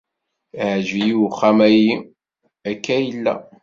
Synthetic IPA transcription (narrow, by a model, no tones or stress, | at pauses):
ʕʒijiwχæmæji | ækːæjəlːæ̰